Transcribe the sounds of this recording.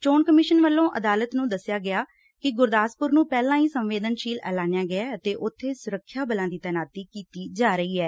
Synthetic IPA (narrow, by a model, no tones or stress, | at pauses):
t͡ʃoːnkəmɪʃənʋəlːõːʔəd̪aːlət̪nũːd̪əsːjaːɡɪjaː | kɪɡʊɾd̪aːspʊɾnũːpɛːlãːĩːsəmʋeːd̪ənʃiːlɛ̰ːlãːnjãːɡɪaːət̪eːʔʊt̪ʰːeːsʊɾəkʰːjaːbəlãːd̪iːt̪ɛːnaːt̪ːiːkiːt̪iːd͡ʒaːɾəiːɛː